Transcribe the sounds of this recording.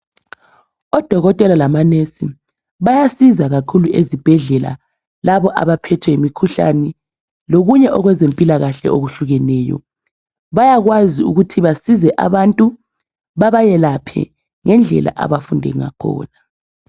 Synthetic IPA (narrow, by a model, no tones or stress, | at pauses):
ɔd̥ʱɔɣɔtʼɛlalamanesi | βajasizaɣakʰuluʔḛzib̥ʱɛɮɛla̰ | laβɔʔa̰βapʰɛtʰwɛimikʰuɬa̰nɛ | loɣuɲɛʔɔɣwɛzempʼilaɣaɬɛ̰ʔoɣuɬuɣɛnɛːjɔ̰ | βajaɣwaziṵɣutʰiβasizɛʔa̰βantʼu | βaβajɛlapʰɛ̰ | ŋɛnd͡ɮʱɛ̰la̰ʔa̰βafundʱɛ̰ŋa̰kʰɔ̰ːna